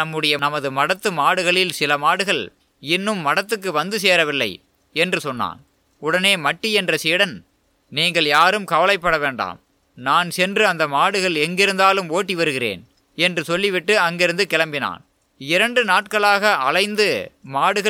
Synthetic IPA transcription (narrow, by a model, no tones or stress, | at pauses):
nɐmːɯɽɐjɐnɐmɐðɯmɐɽɐt̪ːɯmaːɽɯɣɐɭɪlsɪlɐmaːɽɯɣɐɭ | ɪnːɯmːɐɽɐt̪ːɯk̬ːɯʋɐnd̪ɯseːɾɐʋɪlːɐ̰ɪ | ɛndrɯsɔnːa̰ːn | ʊɽɐneːmɐʈːiɛndrɐsiːɽɐn | niːŋɡɐɭjaːɾɯmkɐʋɐlɐɪpːɐɽɐʋeːɳɖa̰ːm | naːnsɛndrɯɐnd̪ɐmaːɽɯɣɐɭɛŋɡɪɾɯnd̪aːlɯmoːʈːiʋɐɾɯɣɪɾḛːn | ɛndrɯsɔlːɪʋɪʈːɯɐŋɡɪɾɯnd̪ɯkɛɭɐmbɪna̰ːn | ɪɾɐɳɖɯnaːʈ̚kɐɭaːɣɐʔɐlɐɪnd̪ɯmaːɽɯɣɐ